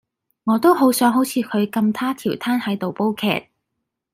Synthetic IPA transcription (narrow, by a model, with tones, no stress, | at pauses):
ŋɔː˨˧t̪o˥wɦo˨˥wsœː˨˥ŋɦo˨˥wt͡sʰiː˨˧kʰɵ˨˧ɥkɐ˧mt̪ʰaː˥t̪ʰiː˨˩wt̪ʰaː˥nhɐ˨˥jt̪o˨wpo˥wkʰɛ̰ː˨˩t̚